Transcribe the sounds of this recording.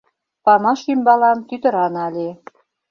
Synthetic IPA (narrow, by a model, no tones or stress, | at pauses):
pɑmɑʃymbɑlɑmt̪yt̪ə̆ɾɑnɑlʲe